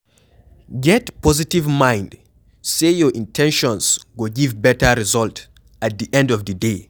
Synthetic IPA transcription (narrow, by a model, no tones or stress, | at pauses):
ɡɛtpɔzitivmãj̃nd | sejɔʔĩntʰɛ̃nʃɔ̃nsɡoɡivbɛtəɹizɔlt | at̚d̪iʔɛ̃ndɔvdəde